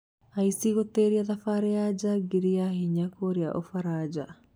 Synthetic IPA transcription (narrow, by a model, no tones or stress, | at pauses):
aisiɣoteːɾiaðafaːɾejad͡ʒaɡiɾiahiɲakoɾiaʔofaɾaːd͡ʑa